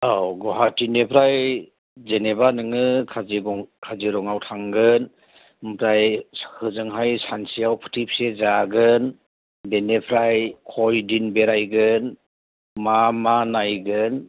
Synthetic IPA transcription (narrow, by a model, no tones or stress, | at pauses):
awɡɔɦatinepʰɾaj | zenebanɯŋɯkʰaziɡɔŋkʰaziɾɔŋawtʰaŋɡɯn | mpʰɾajskʰɯzɯŋɦajsansijawpʰɯ̥tʰip̚sezaɡɯn | benepʰɾajkʰɔjdinbeɾajɡɯn | mamanajɡɯn